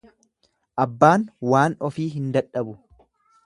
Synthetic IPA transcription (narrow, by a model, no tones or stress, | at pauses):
ʔɐbːaːnwaːnɔfiːɦɪnd̪ɐᶑːɐbʊ